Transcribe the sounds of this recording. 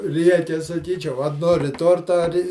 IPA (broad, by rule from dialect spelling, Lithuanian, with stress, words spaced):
ˈrʲiɛkʲɛ sɐˈkʲiːt͡ʃʲɛʊ ɐ ˈnoːrʲɪ ˈtoːrtɐ ɐrʲ